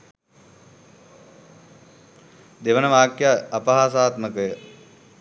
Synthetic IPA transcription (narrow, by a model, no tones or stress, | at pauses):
d̪eʋənəʋaːkjaːpɐɦaːsaːt̪məkəjə